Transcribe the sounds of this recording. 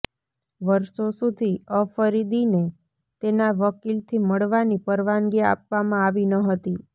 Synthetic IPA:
ʋəɾʃosud̪ʱiəfəɾid̪ine | t̪enaʋəkilt̪ʰiməɭʋanipəɾʋanɡia̰p̚ʋamãaʋinəɦət̪i

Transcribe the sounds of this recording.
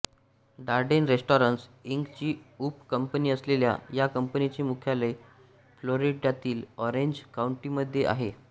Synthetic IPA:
ɖaɾɖenɾesʈɔɾənsiŋɡt͡ɕiːupkəmpniːəslelja̰jakəmpənit͡ɕiːmukʰjale | floɾiɖjat̪iːlɔɾeɲd͡ʑkauɳʈiməd̪ʱːjeʔa̰ɦe

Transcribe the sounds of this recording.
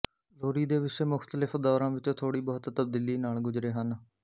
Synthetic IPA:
loːɾiːd̪eːʋɪseːmʊxt̪əlɪpʰd̪ɔːɾãːʋɪt͡ʃt̪ʰoːɽiːbɔːt̪t̪əb̚d̪iːliːnaːlɡʊd͡ʒɾeːɦən

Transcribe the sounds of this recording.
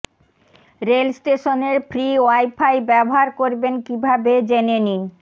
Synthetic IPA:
ɾelsʈeʃoneɾfʰɾiowajpʰajbɛboɦaɾkoɾbenkibʱabed͡ʑenenin

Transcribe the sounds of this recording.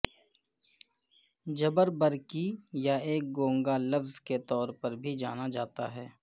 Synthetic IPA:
d͡ʒɐbəɾbəɾkijaeːk̚ɡõːŋɡalɐfzket̪ɔːɾpɐɾbʱid͡ʒaːnad͡ʒaːt̪a̰ɦɛː

